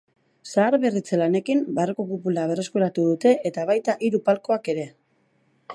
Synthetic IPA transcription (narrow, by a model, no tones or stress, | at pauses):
saːɾβerit͡selane̞kimbarokopupulaβ̞e̞re̞skuɾat̪uðut̪e̞ʔet̪aβajt̪aʔiɾupalko̞ake̞ɾe̞